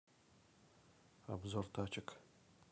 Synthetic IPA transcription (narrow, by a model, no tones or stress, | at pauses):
a̰bzortʰaːt͡ʃʰɪkʰ